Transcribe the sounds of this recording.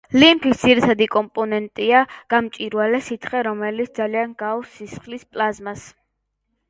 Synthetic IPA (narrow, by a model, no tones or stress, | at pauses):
limpʰisd̪ziɾit̪ʰad̪ikʼɔmpʼɔnɛnt̪ʼiaɡ̥amt͡ʃʼiɾwalɛsit̪ʰχɛɾɔmɛlit̪sʰd̪zalianɡavsisχlispʼlazmas